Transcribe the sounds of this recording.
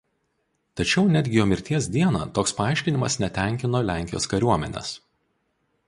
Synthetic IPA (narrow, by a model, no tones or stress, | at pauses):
t̪ɐt͡ʃʲɛʊnʲæd̪ʲɡʲɪjoːmʲɪɾʲt̪ʲiɛsd̪ʲiɛnɐ̰ːt̪oːkspɐɑˑɪʃʲkʲɪnʲɪmɐsnʲɛt̪ʲæˑŋʲkʲɪnoːlʲæˑŋʲkʲɪjo̰ːskɐɾʲuɔmʲɛ̰nʲɛ̰s